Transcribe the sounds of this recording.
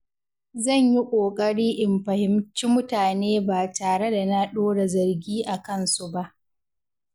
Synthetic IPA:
zɐ˦˨ɲji˦kʷʼoː˨kʼɐ˦ɽiː˦ʔɪ˨mɸɐ˨hɪ˨mt͡ʃi˦mʊ˦taː˨neː˦baː˨taː˨ɽe˦da˨na˦ɗoː˦ɽa˨zɐ˨rɡʲiː˦ʔa˨kɐ˦nsu˦ba˦ʔ

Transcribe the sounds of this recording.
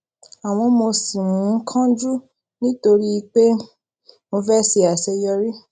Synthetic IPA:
a˨w̃ɔ̃˧mo˧si˨mũ˨˦kʰã˦d͡ʒu˦ | nĩ˦to˧ɾi˦˧k͡pe˦ | mo˧fɛ˦si˧a˨sɛ˧jɔ˧ɾi˦

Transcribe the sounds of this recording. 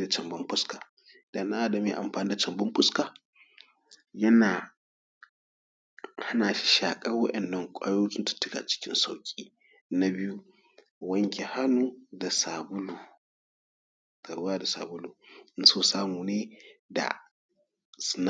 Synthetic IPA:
da˨t͡ʃɐ˨mbɐ˦mɸʊ˦skaː˨ | da˨na˦ʔa˦dɐ˨mi˦˨˦ʔa̰˨mɸaː˨ni˦da˨t͡ʃɐ˨mbɐ˦mɸʊ˦skaː˨ | jɐ˦naː˨ | ha˦naː˨ʃi̥˦ʃaː˨kʼɐ˦rwɐ˦ʔɛ˨nːɐ˦ŋkʷʼa̰ː˦jo˦tʲɪ˦ntɐ̥˨tʊ˦ka̰˨t͡ʃɪ̥˦kʲɪ˦nsa˨wkʲʼiː˦ | na˦bɪ˦ju˦ | wɐ˦ŋkʲe˨ha˦nuː˦da˨saː˨bʊ˦lu˨ | ta˨ɾwaː˦da˨sa̰ː˨bʊ˦luː˨ʔɪ˦nsoː˦saː˦muː˨neː˦da̰˨ | sn

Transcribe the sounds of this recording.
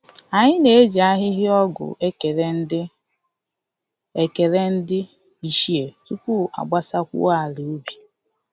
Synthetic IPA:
a˨ɲɪ˦ne˨e˦d͡ʒi˨a˦ɦɪ˦ɦɪ˦ɔ˦ɡʊ̰˨ʔkɾ | e˨ke˨ɾe˦n̩˦dɪ˦ | i˨ʃi˦e˨tu˦kʷu˦a̰˨ɡ͡ba˦sa˦kʷṵ˦a˦˨lu˨o˦bi˨

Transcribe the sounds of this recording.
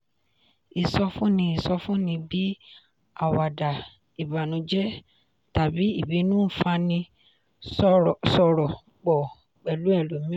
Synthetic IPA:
i˨sɔ˧fũ˦nĩ˧i˦˨sɔ˧fũ˦nĩ˧bi˦ | a˦˨wa˨da˨ | i˨ba˨nũ˧˦d͡ʒɛ˦ | ta˨bi˨˦i˦˨bi˨˦nũ˦˨fa˧nĩ˧˦˨ | sɔ˧ɾɔ˨ | k͡pɔ˨ | k͡pɛ˨lu˨˦ɛ˦˨lo˨mĩ˦

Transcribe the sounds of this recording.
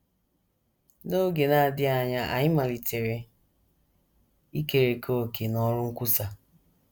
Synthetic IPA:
no˦ɡe˨na˨a˨dɪ˦a˨ɲa˦ʔa̰˨ɲɪ˦ma˨li˨tʰe˨ɾe˨ | i˦ke˨ɾe˨kʰo˦o˨ke˨nɔ˦ɾʊ˦ŋ̩˦kʷu˦sa˨

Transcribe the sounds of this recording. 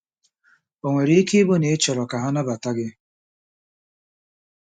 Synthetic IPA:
o˨ŋʷe˨ɾe˦ke˦bo˦ne˨˦t͡ʃɔ˨ɾɔ˨ka˨ɦa˦na˦ba˨ta˦ɡɪ˦

